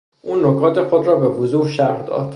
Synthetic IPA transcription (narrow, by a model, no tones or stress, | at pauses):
ʔuːnːokʰɒːt̪ʰexod̪rɒːbevozuːɾʃæɾhd̪ɒ̰ːd̪̥